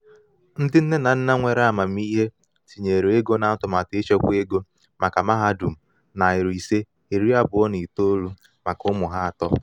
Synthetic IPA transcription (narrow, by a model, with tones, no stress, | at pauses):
n̩˦dɪ˦n̩˦ne˦na˨n̩˦na˦ŋʷe˨ɾma˨m̩˦i˦ɦe˦ | si˨ɲe˨ɾe˦ɡo˦na˨˦tʊ˨ma˨te˦t͡ʃɔ˦kʷe˦ɡo˦ | mʔa˨ka˨ma˦ɦa˦du˨m̩˨ | na˨ɪ˨ɾi˨se˦ | e˨ɾi˦a˦bʊ˨˦ɔ˦ni˨to˦lu˦ | ma˨kʊ˦mʊ˨ɦa˦a˨tɔ˦